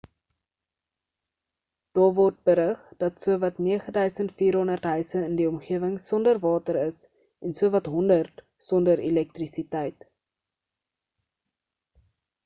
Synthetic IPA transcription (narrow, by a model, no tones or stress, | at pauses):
d̥ɑːvɔrt̚bəɾəχd̥ɐtsuəvɐtniəχədœɥsəntfiːrɦɔndərtɦœɥsəəndiɔmχiəvəŋsɔndərvɑːtəɾəs | ɛnsuəvɐtɦɔndərt | sɔndəɾilɛk̚trisitɛjt